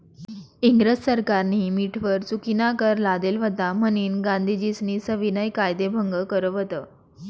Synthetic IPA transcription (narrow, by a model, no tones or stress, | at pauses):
iŋɡɾəssəɾkaɾniːmiʈʰʋəɾt͡sukinakəɾlad̪elʋət̪aməniːnɡãnd̪ʱid͡ʑisniːsəʋinəjkajd̪ebʱəŋɡəkəɾəʋət̪əː